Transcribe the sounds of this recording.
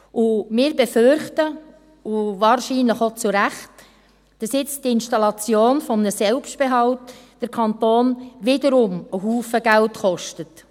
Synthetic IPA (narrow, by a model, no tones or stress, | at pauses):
ʊmɪːɾbɛfʏɾχtə | uvɑːɾʃiːnləχot͡suɾæχt | d̥ɑsjɪt͡sdɪnʃtɑlɑt͡sjoːnfɔmənəsɛlpsʃtb̥eɦɑlt | d̥əɾkʰɑntoːnʋɪdəɾʊməɦuːfəɡ̥æltχɔʃtət